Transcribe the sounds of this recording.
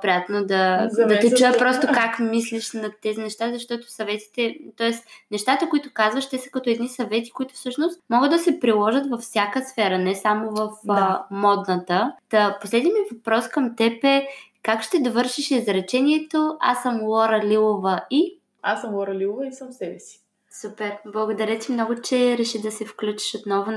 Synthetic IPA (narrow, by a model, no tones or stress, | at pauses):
pɾijat̪nod̪ɐdd̪ɐt̪ɛt͡ʃuɛpɾɔst̪okakmisliʃnɐt̪ɛzinɛʃt̪azɐʃt̪ɔt̪o̥sɐvɛt̪i̥t̪ɛt̪ɔɛst̪nɛʃt̪at̪əkʊit̪ʊkazvɐʃt̪ɛsə̥kɐt̪oɛd̪nisɐvɛt̪i̥kʊit̪ʊ̥fsɤʃnost̪mɔɡəd̪d̪ɐsɛpɾilˠɔʒət̪vɐfsʲjakəsfɛɾɐnɛsamovɐfmɔd̪nət̪ət̪ɐposlɛd̪nʲimivɐpɾɔskəmt̪ɛpɛ | kakʃt̪ɛd̪ovɤɾʃiʃizɾɛt͡ʃɛniɛt̪oa̰səmlˠɔɾɐlʲilˠovəi | asəmlˠɔɾɐlilˠovəisɐmsɛbɛsi̥ | supɛɾblˠɐɡod̪ɐɾɛt̪imnɔɡʊt͡ʃɛɾɛʃid̪ɐsɛfklʲut͡ʃi̥ʃot̪nɔvo